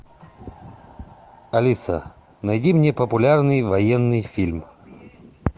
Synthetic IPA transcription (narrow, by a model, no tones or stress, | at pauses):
ɐlʲisə̰ | nɐjdʲimnʲepəpʊlʲarnɨjvɐjenːɨjfʲilʲm